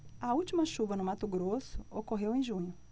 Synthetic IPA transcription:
ɐuwt͡ʃimɐʃuvɐnʊmat̪ʊɡɾosʊokoɦewẽj̃ʒũɲʊ

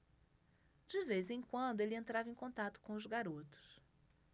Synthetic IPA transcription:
d͡ʒɪvejzẽj̃kwɐ̃nd̪ʊelɪẽnt̪ɾavẽj̃kõnt̪at̪ʊ̥kõʊzɡaɾot̪ʊ̥s

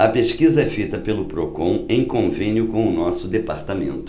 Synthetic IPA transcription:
ɐpeskizɐɛfejt̪ɐpelʊpɾokõw̃ẽj̃kõvẽnjʊkõw̃ʊnɔsʊd̪epaɾt̪amḛ̃nt̪ʊ̥

